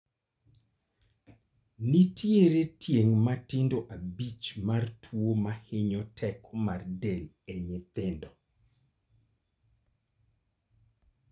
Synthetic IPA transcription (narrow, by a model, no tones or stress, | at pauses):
nitjeɾetjeŋmatɪndoʔabit͡ʃmartʰwomahɪɲɔtʰɛkmardel | eɲɪt̪ɪndɔ